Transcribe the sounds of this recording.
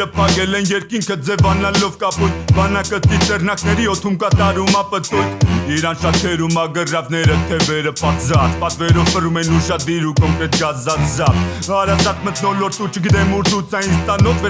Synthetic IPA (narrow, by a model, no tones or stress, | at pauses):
əpʰɑkɛlɛnjɛɾkiŋkʰəd͡zɛvɑnɑlɔvkɑpujbɑnɑkət̪it͡sɛrnɑknɛɾiɔt̪ʰumkɑt̪ɑɾumɑpət̪ɔjt̪ʰiɾɑnʃɑt̪ʰɛɾumɑɡərɑvnɛɾət̪ʰɛvɛɾəpɑt̪zɑt̪pɑt̪vɛɾɔvpərumɛnuʃɑd̪iɾukɔŋkɾɛt̪ɡɑzɑt̪zɑt̪ | ɑɾɑzɑt̪mət̪nɔlɔɾt̪ut͡ʃʰəɡit̪̬ɛmuɾt̪ʰut͡sɑinst̪ɑnɔvvɛ